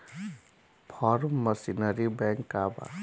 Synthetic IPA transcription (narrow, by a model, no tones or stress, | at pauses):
pʰɔːɾmːəsinəɾibɛ̃ŋkːaːba̰